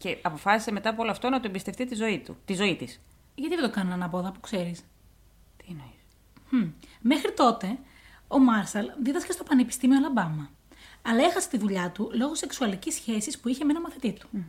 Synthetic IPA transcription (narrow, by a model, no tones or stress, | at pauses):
ce̞ɐpo̞fɐsiseme̞t̪ɐpoo̞loɐft̪o̞nɐt̪oembist̪e̞ft̪it̪izo̞it̪ṵt̪izo̞it̪is | ʝɐt̪iðe̞d̪okɐnɐnɐnɐpo̞ðɐpu̥kse̞ɾis | t̪inoi | mexɾit̪o̞t̪e̞ | o̞mɐɾsɐlðiðɐscɐst̪o̞pɐnepist̪imiolɐbɐmɐ | ɐlɐe̞xɐse̥t̪iðuʎɐt̪ulo̞ɣo̞se̞ksuɐlicisçe̞sispuiçe̞me̞nɐmɐθit̪it̪u̥